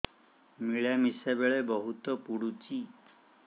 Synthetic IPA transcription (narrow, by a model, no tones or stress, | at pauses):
miɭamisebeɭebɔɦut̪ɔpuɽut͡ʃi